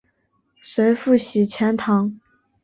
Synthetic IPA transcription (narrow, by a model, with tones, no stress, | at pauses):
swe˧˥ɪfu˥˩ɕi˨˩t͡ɕʰjɛ˧˥nt̪ʰɑ˧˥ŋ